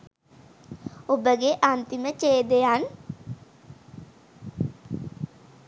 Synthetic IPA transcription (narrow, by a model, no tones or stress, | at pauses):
obəɡeʔant̪imət͡ʃeːd̪ejan